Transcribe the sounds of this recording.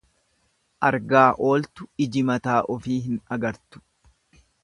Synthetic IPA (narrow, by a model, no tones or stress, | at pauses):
ʔɐɾɡaːʔo̞ːlt̪ʊɪd͡ʒɪmɐt̪aːʔɔfiːɦɪnɐɡɐɾt̪ʊ̥